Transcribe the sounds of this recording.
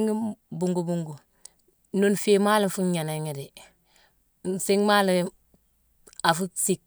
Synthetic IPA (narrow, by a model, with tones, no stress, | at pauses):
ŋi˦bu˨ŋɡu˨bu˦ŋɡu˨ | nu˦nfi˦ma˦li˦nfu˦ɲa˨na˨ɲi˨di˨ | si˦ŋma˦li˨ | a˨fu˦si˦˨k̚